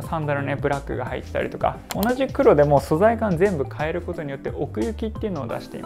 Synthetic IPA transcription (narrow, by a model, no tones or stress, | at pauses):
sãnd̪aɾɯnebɯ̟ɾakːɯ̟ɡahaḭt̪ːe̥t̪a̰ɾʲḭt̪oka̰onaʑikɯ̟ɾo̞d̪e̞mo̞so̞zaikãnd͡zẽ̞mbɯ̟kʰae̞ɾɯ̟ko̞t̪o̞ɲ̟ijo̞t̪ːe̞ʔokɯ̟jɯ̟kʲit̪ːe̞iɯ̟no̞ːd̪a̰ɕi̥t̪e̞ḭma